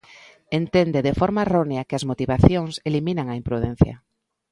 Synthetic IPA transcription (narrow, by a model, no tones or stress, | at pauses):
ent̪end̪eðefoɾmaeroneɐkɪɐzmot̪iβaθjoŋseliminaŋɐimpɾuðɛ̃n̟θja̰